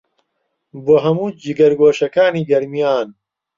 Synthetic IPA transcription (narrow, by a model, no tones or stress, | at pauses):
boːɦɐmuːd͡ʒiɡɐɾɡoːʃɐkaːniːɡɐɾmijaːn